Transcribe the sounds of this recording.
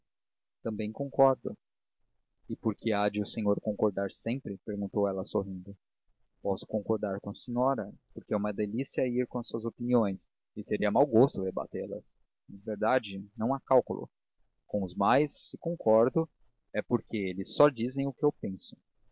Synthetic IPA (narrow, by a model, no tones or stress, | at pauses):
t̪ɐ̃mbẽj̃kõŋkɔɾd̪ʊ̰ | ɪpoɾkʰead͡ʒɪʊsẽɲoɾkõkoɾd̪aɾsẽmpɾɪpeɾɡũnt̪owɛlɐsoɦĩnd̪ʊ | pɔsʊ̥kõŋkoɾd̪aɾkõɐsẽɲɔɾɐpoɾkeɛũmɐd̪elisiɐiɾkõɐsuɐzopiniõj̃s | ɪt̪eɾiɐmawɡost̪ʊdeba̰t̪elɐ̰s | aveɾd̪ad͡ʒɪnɐ̃w̃akawkʊlʊ̰ | kõw̃ʊzmajsːɪkõŋkʰɔɾd̪ʊ | ɛpoɾkeelɪsːɔd͡ʒizẽj̃ʊkɪewpẽsʊ̥